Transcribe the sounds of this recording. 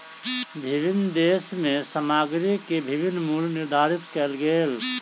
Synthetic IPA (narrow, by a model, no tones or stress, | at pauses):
bʱɪbɪnːd̪eːsmẽsəmaːɡɾikebʱɪbɪnːmulnɪɾd̪ʱaːɾɪt̪kɛlɡeːl